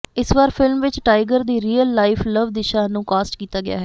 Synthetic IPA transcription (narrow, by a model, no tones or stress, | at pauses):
ɪsʋaːɾpʰɪlmʋɪt͡ʃʈaːɪɡəɾd̪iːɾiːəlːaːɪfʰləʋd̪ɪʃaːnũːkaːsʈkiːt̪aːɡɪja̰ːɦɛː